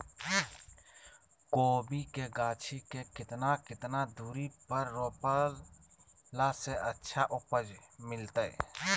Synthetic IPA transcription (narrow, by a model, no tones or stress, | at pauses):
koːbikeɡaːt͡ʃʰikekɪt̪nakɪt̪nad̪uːɾipəɾːoːpəl | laseʔətːʃʰaʔʊpəd͡ʒmɪlt̪ə̰